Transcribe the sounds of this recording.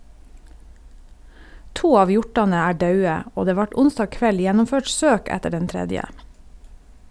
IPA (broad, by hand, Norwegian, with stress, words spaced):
ˈtuː ˈɑːʋ ˈjʊʈɑnə ˈæː ˈɖɑʉə ˈoː ˈdeː ˈʋɑʈ ˈʊnsdɑː ˈkʋɛl ˈjɛnʊmˌføːʈ ˈsøːk ˈɛtə ˈɖɛn ˈtɾɛdjə